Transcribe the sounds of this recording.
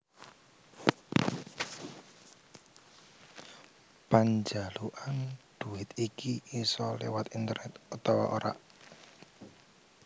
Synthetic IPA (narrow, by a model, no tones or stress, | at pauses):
paɲd͡ʒaluʔand̪̥ṳɪt̪ikiisɔlɛwat̪int̪ərnɛt̪ut̪ɔwa̰ʔoɾa̰ʔ